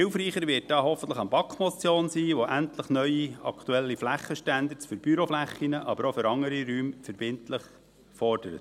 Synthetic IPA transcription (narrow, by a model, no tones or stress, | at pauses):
hɪwfɾiːχəɾʋɪːt̚d̥ɑːɦɔfən̩t̪ləχɑnbɑkχmɔt͡sjoːnsiːʋoʔænt̪ləχnœʏiɑ̰kʰt̪uɛlːiflæχːəʃtænd̪əsfʏɾb̥yɾoflæχːinəʔɑbəɾofʏɾɑŋəɾiɾyːmfəɾbɪntləχ | fɔɾd̥əɾə̰t̪